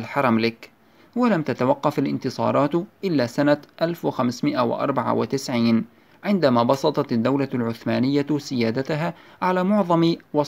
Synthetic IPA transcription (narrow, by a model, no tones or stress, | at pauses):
lħɑɾˤɑmlɪk | walamt̪at̪awɑqːɑfalʔɪ̰nt̪ɨsˤɑ̰ːɾˤɑːt̪ʔɪlːaːsanaʔalfwɪxamsmɪʔawɪ̰ʔɑ̰ɾˤbɑʕa̰wɪt̪ɪsʕiːn | ʕɪnd̪amaːbɑsˤɑt̪ˤɑt̪ad̪ːawlalʕʊθmaːnɪjːasɪjaːd̪at̪ʊɦaːʕalaːmʊʕðˤɑmwɑ